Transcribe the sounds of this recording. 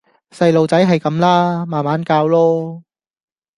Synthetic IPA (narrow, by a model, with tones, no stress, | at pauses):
sɐ˧jlo˨wt͡sɐ˨˥jɦɐ˨jkɐ˨˥mlaː˥maː˨˩nmaː˨˥nkaː˧wlɔː˥